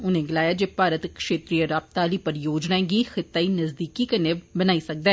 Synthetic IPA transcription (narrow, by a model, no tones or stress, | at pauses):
ʊnẽɡɪlaːjaːd͡ʒeːpaːɾət̪kʃeːt̪ɾijəɾaːb̚t̪aːliːpɐɾjoːd͡ʒnaẽɡixɪt̪ːaːinɐzd̪iːkikɐnebənaːisɐk̚d̪aː